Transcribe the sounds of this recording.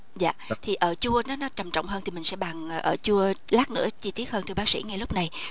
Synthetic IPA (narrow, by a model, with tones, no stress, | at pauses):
za̰ː˧˨t̪ʰi˨˩ʔəː˧˩t͡ɕu˧ənɔ˨˦nɔ˨˦t͡ɕa˨˩mt͡ɕɔ̰˧˨wŋ͡mɦəː˧t̪i˨˩mï˨˩ŋsɛ̰˧˥ɓaː˨˩ŋː˨˩ʔəː˧˩t͡ɕu˧əlaː˦˥k̚nɨ̰˧˥ət͡ɕi˧t̪i˦˥ət̚həː˧nt̪ʰɓaː˦˥ksḭ˧˥ŋa˧jlʊ˦˥k͡p̚na˨˩j